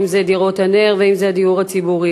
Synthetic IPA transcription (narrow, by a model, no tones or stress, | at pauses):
mzed̪iʁo̞thane̞ʁveimzead̪iuʁhat͡sibuʁi